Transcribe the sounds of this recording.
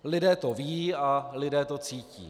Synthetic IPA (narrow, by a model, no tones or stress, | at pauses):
lɪdɛːt̪o̞vialɪdɛːt̪o̞t͡siːcḭː